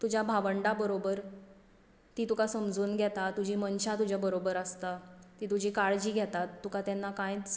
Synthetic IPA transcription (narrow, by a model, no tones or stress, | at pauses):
t̪ud͡ʑʱjabʱaʋəɳɖabəɾobəɾ | t̪iːt̪ukasəmd͡zuːnɡʱjɛt̪at̪ud͡ʑʱiːmənɕat̪ud͡ʑʱjabəɾobəɾəst̪at̪iːt̪ud͡ʑiːkaɭd͡ʑiːɡʱjɛt̪at̪ːukat̪jɛnːakãjt͡s